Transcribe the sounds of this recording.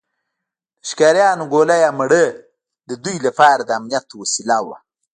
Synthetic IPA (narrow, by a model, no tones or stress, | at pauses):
d̪əʃkaɾjɑːnoɡolajaməɽə | d̪əd̪ujlapɑːɾad̪əamnijat̪wasilawa̰